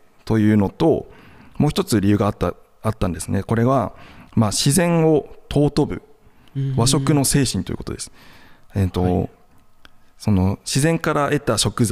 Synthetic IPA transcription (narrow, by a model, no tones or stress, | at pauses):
t̪o̞jɯ̟ːno̞t̪o̞moːçit̪o̞t͡sɨɾʲijɯ̟ːɡat̪ːa | at̪ːãnd̪e̞sɨne̞ko̞ɾe̞βamaːɕizẽ̞ɰ̃o̞t̪ʰo̞ːt̪o̞bɯ̟̰ | βaɕo̞kɯ̟no̞se̞ːɕĩnt̪oḭɯ̰ko̞t̪od̪e̞sɨ̥et̪ːo̞ | so̞no̞ɕizẽ̞ŋkaɾaʔe̞t̪aɕo̞kɯ̟z